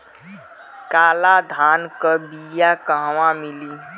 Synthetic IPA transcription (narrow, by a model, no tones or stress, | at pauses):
kaːlad̪ʱaːnkəbijakəɦwãmɪliː